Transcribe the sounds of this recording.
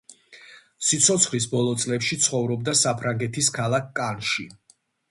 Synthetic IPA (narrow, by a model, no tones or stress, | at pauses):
sit̪sʰɔt̪sʰχlisbɔlˠɔt̪sʼlɛpʃit̪sʰχɔvɾɔb̚d̪asapʰɾaŋɡɛt̪ʰiskʰalˠakʰkʼːanʃi